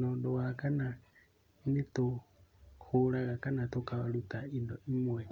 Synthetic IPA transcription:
nɔndɔwakana | init̪oxuɺaɣakanat̪okawaɺut̪aindɔimwɛ

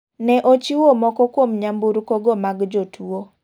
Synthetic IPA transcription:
nɛʔot͡ʃiwomɔkɔkwomɲambuɾkoɡɔmaɡd͡ʒotʰuo

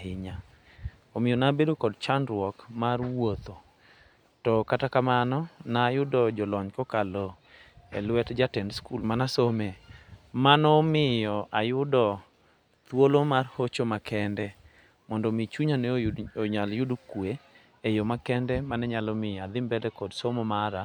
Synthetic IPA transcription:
ɪɲa | omɪjɔnabedokɔdt͡ʃandɾwɔkmarwot̪o | tɔkatakamanɔnajʊdɔd͡ʒɔlɔɲkɔkalɔ | ḛlwɛtd͡ʒatɛndskulmanasomemanɔmɪjɔʔajʊdɔ | t̪wolomarhot͡ʃomakʰɛndɛ | mɔndɔmit͡ʃuɲanɛoɲaljʊdkwe | ejomakɛndɛmanɛɲalɔmɪad̪ɪmbɛdɛkɔdsomɔmaɾa

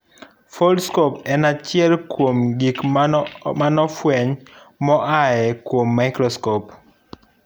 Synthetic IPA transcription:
fɔlskopɛnat͡ʃjɛlkwomɡik | manɔfwɛɲ | mɔʔajɛkwomːaɪkɾɔskɔp

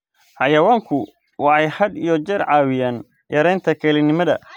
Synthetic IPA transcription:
ħɑjɐwaːŋkʰʊ | wɑħɑjhɐd̪ijɔt͡ʃɛrʕɑːwɪjaːn | jʔɐɾɛjnt̪ʰɐkʰɛlɪnɪmɐðɐ̰

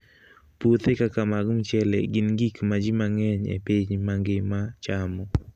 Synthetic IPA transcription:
put̪ekakamaɡʊŋt͡ʃɛlɛ̰ɡɪnɡikmad͡ʒimaŋɛɲḛpiɲmaŋɡɪmat͡ʃamɔ

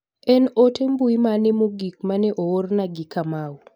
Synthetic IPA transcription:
ɛnotembuimanemoɡik̚maneʔoornaɡikama

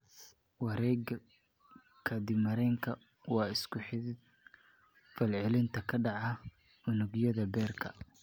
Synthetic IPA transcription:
wɑɾɛːɡɐ | kʰɐd̪ɪbmɐɾɛːŋkʰɐ | wɑːɪskʰʊħɪ | fɐlʕɪlɪnt̪ʰɐkʰɐɖɑʕɑ | ʊnʊɡjɐðɐbɛːrkʰɐ̰

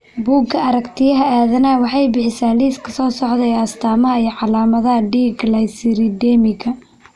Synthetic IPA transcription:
buːɡʰɐɐɾɐkt̪ʰɪjɐɦɐaːðɐnɐːwɑħɑjbɪħɪsaːliːskʰɐ̥sɔːsɔʕd̪ɛjɐst̪ʰaːmɐɦɐijʕɑlaːmɐðɐɦɐɖiːɡlɐjsɪɾɪd̪ɛːmɪɣɐ

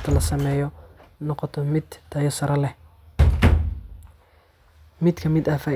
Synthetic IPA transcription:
t̪ʰɐlɐsɐmɛːjɔnɔqɔt̪ʰɔmɪd̪t̪ʰɐjɐsɐɾɐlɛ | mɪd̪kʰɐmɪd̪aːfaː

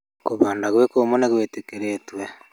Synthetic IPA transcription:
koβaːndaɣwekoːmoneɣwetekeɾetwe

